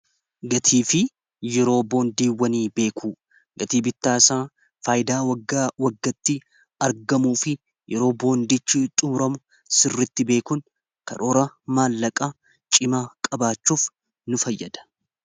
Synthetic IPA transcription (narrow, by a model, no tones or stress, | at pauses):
ɡɐt̪ʰiːfɪ | jɛɾo̞ːbo̞ːnd̪iːwːɐniːbe̞ːkʰuː | ɡɐt̪iːbɪt̪ːaːsaː | faːjɪd̪aːwɐɡawɐɡːɐt̪ːɪ | ɐɾɡɐmuːfɪ | jɛɾo̞ːbo̞ːnd̪it͡ʃːɪt̪ʼʊmʊɾɐmʊ | sɪrːɪt̪ːɪbe̞ːkʊn | kɐ̰ɾoːɾɐmaːlːɐkʼa | t͡ʃʼɪmaːkʼɐbaːt͡ʃːuːf | nʊfɐjːɐd̪̥ɐ̥